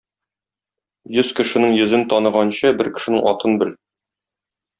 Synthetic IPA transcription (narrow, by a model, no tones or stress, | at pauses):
jɵzkɘ̆ʃɘ̆nɘŋjɵ̆zɘnt̪ɒnɤ̆ʁɑnɕɤbɘɾkɘ̆ʃɘ̆nɘŋʔɒt̪ɤnbɘl